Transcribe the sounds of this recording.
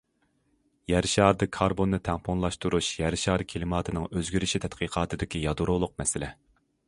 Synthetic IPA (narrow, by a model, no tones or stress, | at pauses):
jɛɾʃɑɾd̪ɨkʰɑɾbonːɨt̪ʰɛŋpʰonlˠɑʃt̪uɾuʃjɛɾʃɑːɾkʲʰelɨmɑːt̪ʰɨnɨŋøzɡʲyɾyʃit̪ʰɛt̪qʰiqʰɑːt̪ʰɨd̪ɪkʲijɑd̪uɾolˠʊq̚mɛsɪlɛ